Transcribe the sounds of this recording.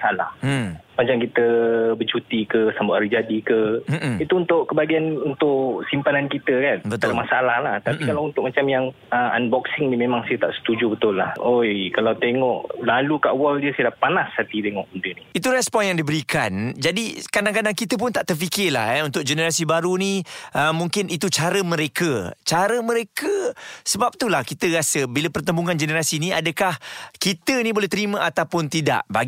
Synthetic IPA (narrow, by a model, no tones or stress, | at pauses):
asala̰hmad͡ʒaŋkit̪əbət͡ʃut̪ikəsambaʔaɾid͡ʒadikəit̪uunt̪ʊʔkːəbaɡianunt̪ʊʔsimpanankit̪əkanbət̪aamasalahlaht̪apikalaunt̪ʊʔ̚mat͡ʃamjaŋ | əa̰nbɔksɪŋnimemãŋsajət̪aʔsə̥t̪ud͡ʒubət̪ʊlːahojkalawt̪eŋɔʔlalukaʔwaldiəsaədapanashat̪it̪eŋɔʔundəniit̪uɾɛspɔnjaŋdibəɾikand͡ʒadikadaŋkadaŋkit̪əp̬ʊnt̪aʔt̪ərfikɪla̰hɛunt̪ʊk̚d͡ʒənəɾasibaɾuniʔəmːuŋkɪnit̪ut͡ʃaɾəmə̃ɾekət͡ʃaɾəmə̃ɾekəsəbap̚t̪ulahkit̪əɾasəbiləpərt̪əmbuŋand͡ʒənəɾasiniadəkahkit̪ənĩbolɛht̪əɾimə̃ʔat̪awpʊnt̪ida̰ʔbaɡ